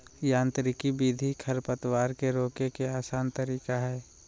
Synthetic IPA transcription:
jãːnt̪ɾɪkibiːd̪ʱikʰɐɾpət̪waːɾkeɾoːkekeaːsaːnt̪əɾiːkaɦɛː

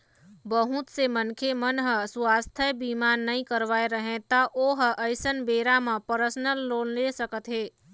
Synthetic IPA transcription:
bəɦut̪semənkʰemənɦəsuwast̪ʰəbimanːəĩkəɾʋaeɾəɦẽt̪əʔoɦəʔəɪsənbeɾamə̃pəɾəsnəlːoːnlesəkət̪ɦeː

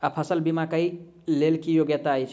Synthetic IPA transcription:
apʰəsəlbimakəj | lelkijoɡjət̪aəjt͡ʃʰ

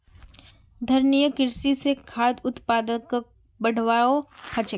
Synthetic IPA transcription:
d̪ʱɐɾnijəkɪɾsisekʰaːd̪ʊt̪paːd̪ək | bɐɽ̤ʋaːohɐt͡ʃə

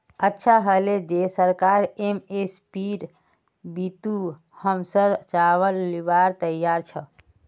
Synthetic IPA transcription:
ətːʃʰaɦəled͡ʒesəɾkaɾemespiɾ | bit̪u | həmsəɾt͡ʃaβəlːibaɾt̪əjaɾt͡ʃʰə

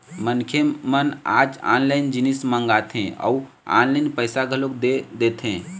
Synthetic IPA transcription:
mənkʰjeməna̰ːd͡ʒa̰ːnlaɪnd͡ʒinismə̃ŋɡat̪ʰẽɔ̰u | a̰ːnlaɪnpəɪsaɡʱəlokd̪ed̪et̪ɦẽː

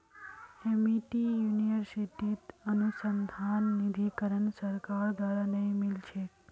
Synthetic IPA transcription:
emiʈijuniʋəɾsiʈit̪ənusənd̪ʱanːid̪ʱikəɾəɳsəɾkaɾd̪ʋaɾanəĩmilt͡ʃʰe

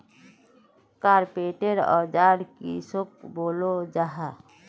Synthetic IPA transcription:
kaːɾpeːʈeɾɔ̰ːd͡ʒaːɽkḭsok̚boːlod͡ʒaɦa

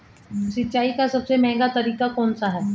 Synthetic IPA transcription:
sɪtːʃaːikasɐbsemɛ̃ːŋɡat̪ɐɾiːkakɔːnsaɦɛː

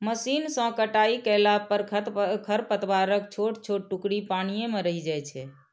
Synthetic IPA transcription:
məsinsə̃kəʈaikəlapəɾkʰt̪kʰəɾpət̪baɾək̚t͡ʃʰoʈt͡ʃʰoʈ̚ʈukɽipañijemeɾəɦid͡ʒajt͡ʃʰɛ

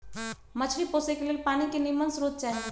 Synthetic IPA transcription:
mət͡ʃʰɾipoːsekeleːlpaːnikenimənsɾoːd̪̚t͡ʃaːɦe

